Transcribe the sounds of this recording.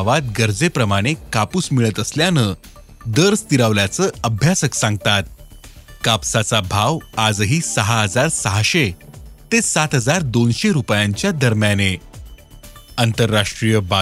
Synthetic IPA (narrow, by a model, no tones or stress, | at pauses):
ʋat̪ɡəɾd͡zepɾəmaɽ̃ekapusmiɭət̪əsljanə | d̪əɾst̪iɾaʋljat͡səːəbʱjasəksãŋɡ̚t̪at̪̚kapsat͡sabʱaʋad͡zɦiːsəɦaɦəd͡zaɾsəɦaɕet̪esat̪ɦəd͡zaɾd̪onɕeɾupjaɲt͡ɕjad̪əɾmjane | ənt̪əɾːaʂʈɾijəba